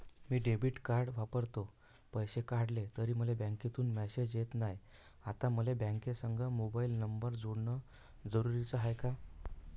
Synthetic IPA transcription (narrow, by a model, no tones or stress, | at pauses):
miːɖebiːʈkaɾɽʋapəɾt̪o | pəjɕekaɽlet̪əɾiːm̤əlebãŋket̪uːnmɛsed͡ʑjet̪naj | at̪ãməlebɛ̃ŋkesəŋɡʱəmobailnəmbəɾd͡zoɽɳə | d͡zəɾuɾit͡səɦajka